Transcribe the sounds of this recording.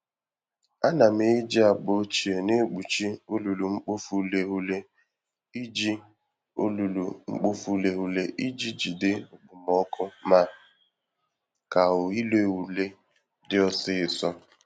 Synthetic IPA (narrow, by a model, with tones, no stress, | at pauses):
a˦na˨m̩˦e˦d͡ʒi˦a˨k͡po˨˦t͡ʃi˨e˨ne˦ɡ͡bu˨t͡ʃi˦o˦lu˨lu˨ŋ͡m̩˦k͡po˦fu˦le˦ɦu˦le˦ | i˦d͡ʒi˦ | o˦lu˨lu˨ŋ͡m̩˦k͡po˦fu˦le˦ɦu˦le˦ʔi˦d͡ʒi˦d͡ʒi˨dɪ˦ʊ˨ɡ͡bʊ˨m˨ɔ˦kʰʊ˦ma˦˨ | ka˨ʊ˨i˦le˦˨wu˨le˦ | dɪ˦ɔ˦sɪ˦ɪ˨sɔ˦